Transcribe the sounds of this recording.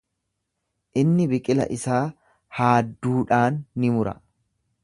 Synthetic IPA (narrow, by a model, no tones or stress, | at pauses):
ʔɪnːɪbɪkʼɪlɐ̰ʔɪsaː | haːd̪ːuːᶑaːnːɪmʊɾɐ̰